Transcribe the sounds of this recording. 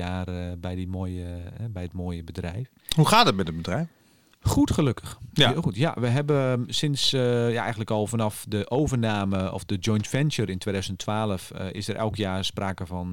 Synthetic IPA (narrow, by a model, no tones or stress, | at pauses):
aːrbɛjdimoːjəɛbɛjətmoːjəbədrɛjf | huxaːdət̚mɛtətbədrɛjf | xutxəløkə̥xutja̰ʋəɦɛbəsɪnsjaɛ̰jɣəntləkɔlˠfɔnɑfdəʔoːvərnaːməɔ̰fdəd͡ʒɔjntfɛnsəɾɪntweːdœɥzənətʰʋaːləfɪ̰səɾʔɛ̰lˠkjaːrspraːkəvɔn